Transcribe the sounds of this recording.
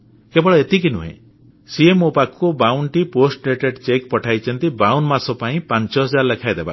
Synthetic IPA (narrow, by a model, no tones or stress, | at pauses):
kebɔɭɔet̪ik̬inṵɦḛ̃ | siemopakobawɳʈiposʈleʈeɖt͡ʃekpɔʈʰajt͡ʃʰɔnt̪ibawnmasɔpaĩpant͡ʃɔɦɔd͡ʒaɾlekʰajd̪eba̰